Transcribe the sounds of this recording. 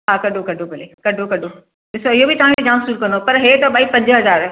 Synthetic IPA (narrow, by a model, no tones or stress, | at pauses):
ɦãkɐɖʱokɐɖʱobɐlekɐɖʱokɐɖʱo | dɪsoɪɦobʱitaːɽẽked͡ʒãːmsɾuːɾkɐnd̪opɐɾɦet̪obaːipɐ̃ɲd͡ʒɦɐzaːɾɛ